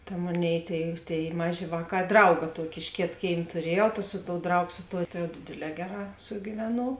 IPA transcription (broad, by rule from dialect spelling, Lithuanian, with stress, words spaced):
tɐ ˈmoːˌnʲeːɪ ˈtʲeːɪ ˈtʲeːɪ ˈmɑːˌʒʲeː ˈʋɑːˌkɑː ˈdrɐʊɡɐ ˈtuɔkʲɪ ɪʃ ˈkʲeːt ˈkʲeːɪm tʊˈrʲiɛjɛʊ tɐ ˈsʊ ˌtoːʊ ˈdrɐʊɡoː ˈsʊ ˌtoːʊ tɐ jɛʊ ˈdʲeːdʲeːˌlʲɛː ˈɡʲæːˌrɑː sʊɡʲɪˈʋʲæːnuɔw